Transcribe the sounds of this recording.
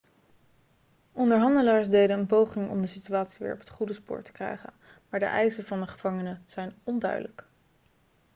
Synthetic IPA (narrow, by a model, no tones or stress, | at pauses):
ɔndəɹɦɑndəlaːɹsdejdənənpowχɪŋɔ̰mdəsityaːtsiʋɪ̰ːɹɔpɦə̥tχudəspʊ̰ːɹtə̥krɛ̰jχə̰n | maːɹdə̰ʔɛ̰jsəvɑndəχəv̥ɑŋənəz̥ɛjnɔndœ̰ɥdələk